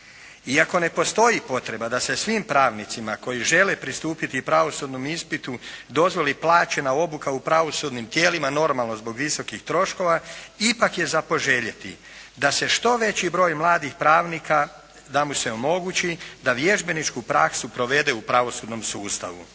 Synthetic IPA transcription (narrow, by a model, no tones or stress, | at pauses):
iako̞ne̞po̞st̪o̞jipo̞t̪ɾe̞bad̪ase̞sʋimpɾaːʋnit̪simako̞jiʒe̞lepɾist̪uːpit̪iupɾaʋo̞sud̪nomispit̪ud̪o̞zʋo̞liplˠaːt͡ɕe̞nao̞bukaupɾaʋo̞sud̪nimt̪je̞ːlimano̞ɾmalˠno̞zbo̞ɡʋiso̞kixt̪ɾo̞ʃko̞ʋaipakje̞zapo̞ʒe̞ʎet̪ḭ | d̪ase̞ʃt̪o̞ʋe̞t͡ɕibɾo̞ːjmlˠaːd̪ixpɾaːʋnikʰa | d̪amuse̞o̞mo̞ɡut͡ɕid̪aʋje̞ʒbe̞nit͡ʃkupɾaksupɾo̞ʋe̞d̪eupɾaʋo̞sud̪no̞msuːst̪a̰ʋṵ